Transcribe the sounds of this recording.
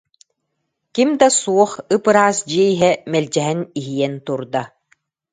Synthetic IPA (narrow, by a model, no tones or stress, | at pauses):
kimd̪asuɔχɯpɯɾaːsd͡ʑiɛjiɦɛmɛlʲd͡ʑɛɦɛniɦijɛnt̪uɾd̪a